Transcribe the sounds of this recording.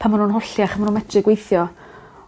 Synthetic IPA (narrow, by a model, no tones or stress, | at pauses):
pʰamanuːnɦɔɬjaχamanuːnmɛdrɪɡwejθjɔ